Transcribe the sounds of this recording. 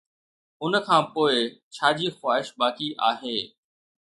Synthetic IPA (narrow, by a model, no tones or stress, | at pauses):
ʊnkʰãːpoːɪt͡ɕʰaːd͡ʑiːxwaːɦɪʃbaːkiʔa̰ːɦeː